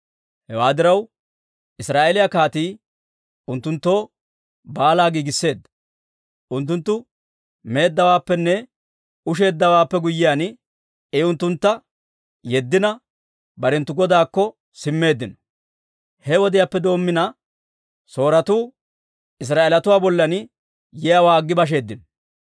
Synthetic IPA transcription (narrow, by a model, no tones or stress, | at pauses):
hɛwaːd̪ɪɾɐw | ɪsɾaːʔelɪjakaːt̪iː | ʊnt̪ːʊnt̪ːo̞ː | baːlaːɡiːɡɪsːe̞ːd̪ːɐ̥ | ʔʊnt̪ːʊnt̪ːʊ | me̞ːd̪ːɐwaːpːɛnːɛ | ʊʃ̬e̞ːd̪ːɐwaːpːɛɡʊjːɪjaːn | ɛʊnt̪ːʊnt̪ːɐ | jɛd̪ːɪnɐ | bɐɾɛnt̪ːʊɡɔd̪aːkːɔ | sɪmːe̞ːd̪ːɪnɔ̥ | hɛwɔd̪ɪjaːpːɛd̪o̞ːmːɪnɐ | so̞ːɾɐt̪uː | ɪs̬ɾaːelɐt̪ʊwaːbɔlːɐn | jɛjawaːɡːɪbɐʃ̬e̞ːd̪ːɪnɔ̥